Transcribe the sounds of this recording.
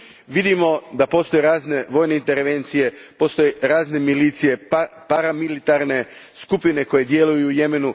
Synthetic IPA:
ʋid̪imo̞d̪apo̞ːst̪o̞jeɾaːzne̞ʋo̞ːjne̞int̪e̞ɾʋe̞nt̪sije̞po̞ːst̪o̞jeɾaːzne̞milit̪sije̞paɾamilit̪aɾne̞skupine̞ko̞je̞d̪je̞lujuːje̞me̞nu

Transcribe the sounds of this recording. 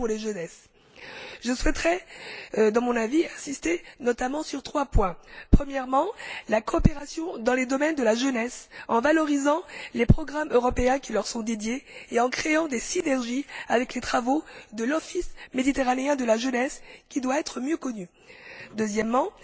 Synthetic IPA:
puʁleʒənɛs | ʒəswɛt̪ʁɛ | d̪ɑ̃mɔ̃naviɛ̃sist̪enɔt̪amɑ̃syʁt̪χwapwɛ̃pχəmjɛʁmɑ̃lakɔːpeʁasjɔ̃d̪ɑ̃led̪ɔmɛnd̪əlaʒənɛsɑ̃valɔʁizɑ̃lepχɔɡʁamøʁɔpeɛ̃kʲilœʁsɔ̃d̪ed̪jeeɑ̃kχeɑ̃d̪esinɛʁʒiavɛklet̪χavod̪əlɔfismed̪it̪eʁaneɛ̃d̪əlaʒənɛskʲid̪waɛt̪χəmjøkɔny | d̪øzjɛmːɑ̃

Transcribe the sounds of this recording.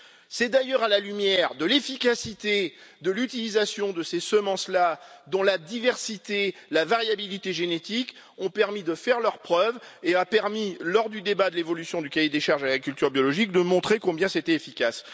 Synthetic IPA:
sɛd̪ajœʁalalymjɛʁd̪əlefikʲasit̪ed̪əlyt̪ilizasjɔ̃d̪əsesəmɑ̃slad̪ɔ̃lad̪ivɛʁsit̪elavaʁjabilit̪eʒenet̪ik | ɔ̃pɛʁmid̪əfɛʁlœʁpχœveapɛʁmilɔʁd̪yd̪ebad̪əlevɔlysjɔ̃d̪ykajed̪eʃaʁʒalaikʲylt̪yʁbjɔlɔʒik̚d̪əmɔ̃t̪χekɔ̃bjɛ̃set̪ɛefikʲas

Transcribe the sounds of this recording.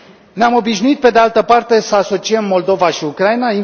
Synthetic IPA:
neamo̞biʃnuit̪̚pe̞d̪e̞alt̪əpart̪e̞səaso̞t͡ʃiəmːo̞ld̪o̞vaʃiukɾainai

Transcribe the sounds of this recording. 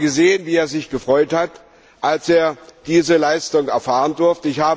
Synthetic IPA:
ɡəzeːənviːeːɐzɪçɡ̥əfʁ̥ɔʏthat | ʔalsʔeːɐd̥iːzəlaɪstʊŋɛɐfaːʁ̞əndʊɐftəɪçhaːb

